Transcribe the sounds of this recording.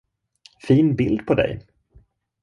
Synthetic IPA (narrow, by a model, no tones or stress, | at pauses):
fiːnbɪld̪pʰɔd̪ɛ̰j